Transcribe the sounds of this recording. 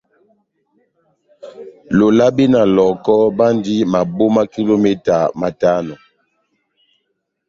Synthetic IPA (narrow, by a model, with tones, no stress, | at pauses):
lo˨la˦bi˦na˨lɔ˨kɔ˦ba˦ndi˦ma˨bo˦ma˦ki˦lo˦me˦ta˨ma˨ta˦nɔ˨